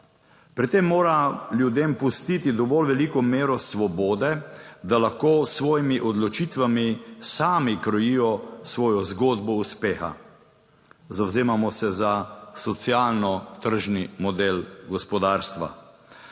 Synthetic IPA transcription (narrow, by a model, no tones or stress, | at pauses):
pɾit̪ːemːoːɾaljud̪eːmpust̪it̪id̪ɔʋɔlʋɛliːkɔmeːɾɔsʋɔbɔːd̪ɛd̪alaxkoːsʋɔːjimiʔɔd̪lɔt͡ʃit̪ʋamisaːmikɾɔjijɔsʋɔːjɔzɡoːd̪bɔuspeːxa̰ | zawzeːmamɔsɛzasɔt̪sjaːlnɔt̪əɾʒnimɔd̪elɡɔspɔd̪aːɾst̪ʋa̰